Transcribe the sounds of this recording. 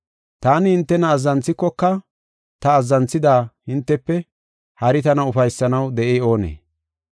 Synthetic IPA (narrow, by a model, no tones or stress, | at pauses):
t̪aːnɪhɪnt̪ːɛnɐːzːɐnt͡sːɪkːɔkːɐ | t̪ɐːzːɐnt͡sːɪd̪aːhɪnt̪ːɛpːɛ | hɐɾɪt̪ɐnɐʊfɐjsːɐnɐwd̪ɛʔeo̞ːnḛː